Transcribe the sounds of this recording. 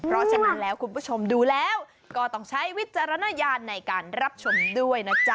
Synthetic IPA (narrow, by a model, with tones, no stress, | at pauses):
pʰɾɔ˦˥sʰa˧˨na˦˧˥nlɛː˦˥wkʰu˧npʰuː˦˥˩t͡ɕʰo˧mduː˧lɛː˦˥w | kɔː˥˩t̪ɔ˥˩ŋt͡ɕʰa˦˥jwi˦˥t̪̚t͡ɕa˧ɾa˧naː˧˥jaː˧nːa˧jkaː˧nɾa˦˥p̚t͡ɕʰo˧mdu˥˩əjna˦˥t͡ɕa˦